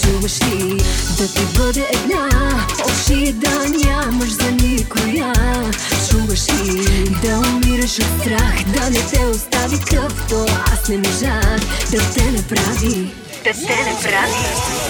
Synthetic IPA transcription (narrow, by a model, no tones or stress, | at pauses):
t͡ʃubɐʃid̪ɐt̪ibəd̪ɛʔɛd̪na | ɔʃid̪ɐniamɐʃzɐnikona | t͡ʃumbɐʃid̪ɐumiɾɐʃot̪st̪ɾaxd̪ɐnɛt̪ɛost̪avikɐkt̪ɔasnɛmɛʒad̪ɐt̪ɛnɐpɾavi | d̪̥ɐt̪ɛnɐpɾavi